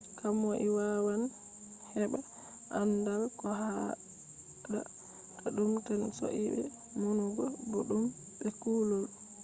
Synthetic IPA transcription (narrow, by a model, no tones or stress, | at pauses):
kamɔʔiwawan | hɛɓa | ʔandalkɔɦa | ɗa̰ | kaɗumtanso̰ʔibɛ̰ | munuɡɔbɔɗum | bɛkulɔl